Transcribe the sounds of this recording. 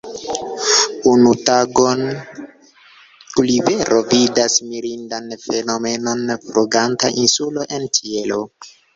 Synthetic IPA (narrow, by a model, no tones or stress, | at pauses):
unutaɡon | ulive̞ɾʔo̞vidasmiɾindanfe̞no̞me̞no̞nfɾuɡantaʔinsuloʔe̞ntʰielo